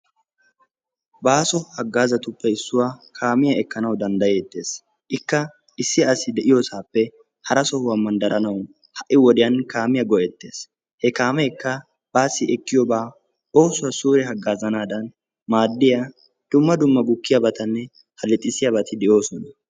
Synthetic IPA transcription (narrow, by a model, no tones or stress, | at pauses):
baːsɔhɐɡːaːzɐt̪ʊpːɛɪsːʊwaːkʰaːmɪjɐɛkːɐnɐwd̪ɐnd̪ɐjɛt̪ːe̞ːs | ʔɪkːɐ | ɪsːɪɐsɪd̪ɛʔɪjosaːpːɛ | hɐɾɐsɔhʊwɐmɐnd̪ɐɾɐnɐw | hɐʔːɪwɔd̪ɪjɐnkaːmɪjɐɡɔʔɛt̪ːeːs | hɛkaːmɛkːɐ | b̥aːsːɪɛkːɪjɔbaː | o̞ːsʊwɐsuːɾɛɦɐɡːaːzɐnaːd̪ɐn | maːd̪ːɪja | d̪̥ʊmːɐd̪ʊmːɐɡʊkːɪjabɐt̪ɐnːɛ | hɐlɛt̪ʼːɪsɪjabɐt̪ɪd̪ɛjo̞ːsɔnɐ